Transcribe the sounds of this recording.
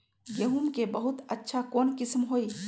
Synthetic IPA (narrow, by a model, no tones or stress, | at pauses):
jəɦumkebəɦʊt̪ətːʃʰakoːnkɪsmɦoi